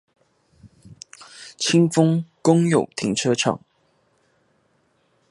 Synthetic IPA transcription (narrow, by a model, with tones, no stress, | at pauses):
t͡ɕʰi˥ŋfʊ˥ŋkʊ˥ŋjo˨˩ʊt̪ʰi˧˥ŋʈ͡ʂʰɤ˥ʈ͡ʂʰɑ̰˨˩˦ŋ